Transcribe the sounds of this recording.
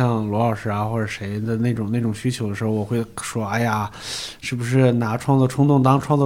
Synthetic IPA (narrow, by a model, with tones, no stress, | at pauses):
ɑ˥˩ŋlwɔ˧˥ə˞˨˩ʂɻ̩˥˩a˧˩xwɔ˥˩ʈ͡ʂə˨˩ʂe˧˥ɪd̪ə˧ne˥˩ɪʈ͡ʂʊ˨˩ŋne˥˩ʈ͡ʂʊ˨˩ŋɕy˥t͡ɕʰjo˧˥ʊd̪ə˧ʂɻ̩˧˥xo˧wɔ˨˩xwe˥˩ɪʂwɔ˥a˥ɪa˨˩ʂɻ̩˥˩bu˩ʂ̬ɻ̩˥˩na˧˥ʈ͡ʂʰwɑ˥˧ŋlə˥˩ʈ͡ʂʰʊ˥ŋt̪ʊ˥˩ŋt̪ɑ˥ŋʈ͡ʂʰwɑ˥˧ŋt͡sə˥˧